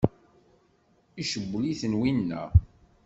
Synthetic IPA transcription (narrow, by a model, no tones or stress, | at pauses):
iʃəbːəliθənwinːæ̰